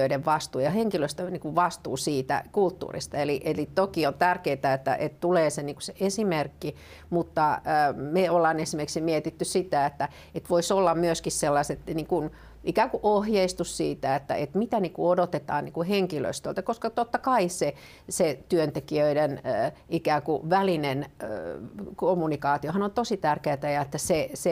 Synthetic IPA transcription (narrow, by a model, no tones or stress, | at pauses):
øiɾeʋʋɑst̪uːjɑheŋkiløst̪øniːŋkuʋʋɑst̪uːsiːt̪æ̰kult̪ːṵːrḭst̪ɑeliʔelit̪okiont̪ærkeit̪æet̪ːæ̰ʔḛt̪t̪uleːseniːŋku̥seʔesimerkːi | mut̪ːɑəːmeolːɑːnesimeriksimiet̪it̪ːyssit̪æet̪ːæ | et̪ʋoisolːɑmmyøskisselːɑset̪niːŋkun | ʔikæːŋkuʔohjeist̪ussiːt̪æet̪ːæ̰ʔet̪mit̪æniːŋkuodot̪et̪ɑ̰ːnniːŋkuheŋkilø̰ist̪ø̰lt̪ækoskɑt̪ot̪ːɑkɑise | set̪yønt̪ekiøidenːikæːkuʋælinen | komːunikɑːt̪iohɑnont̪osit̪ærkeːt̪æjɑet̪ːæsese